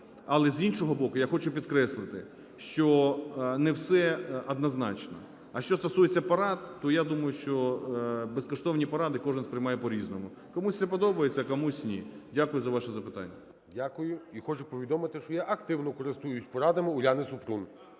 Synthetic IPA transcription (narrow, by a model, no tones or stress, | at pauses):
ɐlˠɛzʲinʃɔɦɔbɔkʊjaxɔt͡ʃʊpʲid̪kɾɛslˠɪt̪ɪ | ʃt͡ʃɔnɛwsɛɐd̪nɐznɑ̰t͡ʃnɔ̰ | ɐʃt͡ʃɔst̪ɔsujet͡sʲːɐpɐɾɑt̪ːɔjad̪umɐjʊʃt͡ʃɔ | beskɔʃt̪ɔwnʲipɐɾɑd̪ɪkɔʒɪnspɾɪjmɑjɛpɔɾʲiznɔmʊ | kɔmusʲsɛpɔd̪ɔbɐjet͡sʲːɐkɔmusʲnʲidʲakʊjʊzɐʋɑʃɛzɐpɪt̪ɑ̰nʲːɐ | dʲakʊjʊixɔt͡ʃʊpɔʋʲid̪ɔmɪt̪ɪʃt͡ʃɔjaʔɐkt̪ɪwnɔkɔɾɪst̪ujʊsʲpɔɾɑd̪ɐmɪʊlʲanɪsʊpɾun